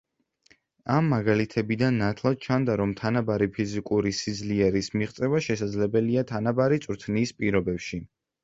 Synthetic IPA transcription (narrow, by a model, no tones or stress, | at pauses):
amːaɡalit̪ʰɛbid̪anːat̪ʰlˠad̪̥̚t͡ʃʰand̪aɾɔmt̪ʰanabaɾipʰizikʼuɾisid̪zliɛɾismiʁt̪sʼɛvaʃɛsad̪zlɛbɛliat̪ʰanabaɾit̪sʼɾt̪ʰniːspʼiɾɔbɛpʃi